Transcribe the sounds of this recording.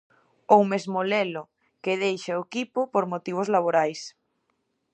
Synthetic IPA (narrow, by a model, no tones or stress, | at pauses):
owmezmolelʊ | keðejʃaokipʊpoɾmot̪iβ̞ozlaβ̞oɾajs